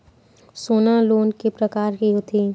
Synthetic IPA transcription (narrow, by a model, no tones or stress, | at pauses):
soːnaloːnkipɾɐkaːɾkiɦot̪ʰi